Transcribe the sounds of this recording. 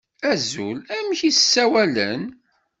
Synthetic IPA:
æzṵlæmçissːæwælə̰n

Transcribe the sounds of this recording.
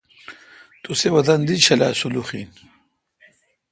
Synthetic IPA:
t̪usewɐd̪ɐnd̪it͡ɕʰɐla̰ːsuluχḭːn

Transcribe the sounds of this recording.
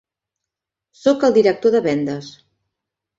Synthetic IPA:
sokəlˠd̪iɾək̚t̪oðəβɛnd̪əs

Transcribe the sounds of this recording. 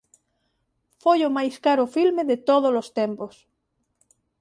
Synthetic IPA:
fojomajskaɾʊfilmeðet̪oð̞olost̪empos

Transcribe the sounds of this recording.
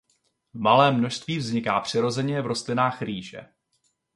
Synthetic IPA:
vmalɛːmːno̞ʃst̪viːvzɲɪkaːpr̥ɪɾo̞zɛɲɛvɾo̞st̪lɪnaːxriːʒɛ̰

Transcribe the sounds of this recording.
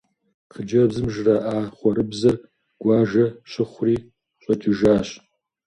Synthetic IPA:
qʰəd͡ʒɐbzɨmʒrɐʔaːχʷɔɾɨbzɐr | ɡ̥ʷaːʒɐɕɪχʷriː | ɕʼɐtʰɨʒaːɕʼ

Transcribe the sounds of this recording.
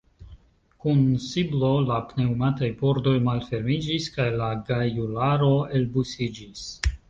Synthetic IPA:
kunsiblo̞lapne̞umatajpo̞ɾdo̞jmalfe̞ɾmid͡ʒiskajlaɡajulaɾo̞elbusid͡ʒis

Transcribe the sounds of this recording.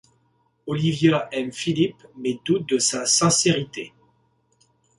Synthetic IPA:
ɔlivjaɛmfilipmed̪ut̪̚d̪əsasɛ̃seʁit̪e

